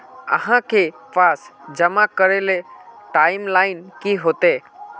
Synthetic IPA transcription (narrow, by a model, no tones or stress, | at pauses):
ə̰ɦãkʰepaːsd͡ʒəmakəɾeleʈaːɪmlaːɪnkiɦoːt̪e